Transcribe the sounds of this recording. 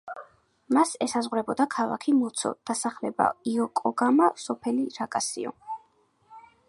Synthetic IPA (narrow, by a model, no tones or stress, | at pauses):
masɛsazʁwɾɛbɔd̪akʰala̰kʰimɔt̪sʰɔ̰d̪̥asaχlɛba̰iɔkʼɔɡamasɔpʰɛliɾakʼasḭɔ̰